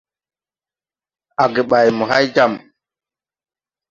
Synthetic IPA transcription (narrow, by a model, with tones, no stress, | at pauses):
a˨ɡɛ˨ɓa˨jmɔ˨ɦa˦jd͡ʒa˨m